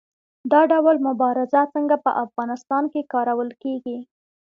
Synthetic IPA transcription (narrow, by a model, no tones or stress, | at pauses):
d̪ɑɖawlmʊbɑɾɪzat͡səŋɡapə̰ʔafɣɑnɪst̪ɑnkekɑɾawəlkeɡi